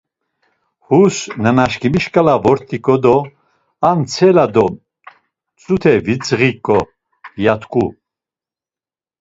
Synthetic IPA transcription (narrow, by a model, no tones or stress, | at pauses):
husnanaʃkimiʃkʼalavɔɾt̪ʰʼikʼɔd̪ɔ | ant͡sʰɛlad̪ɔ | t͡sʼut̪ʰɛvit͡sʼʁikʼːɔ | jat̪ʰkʼu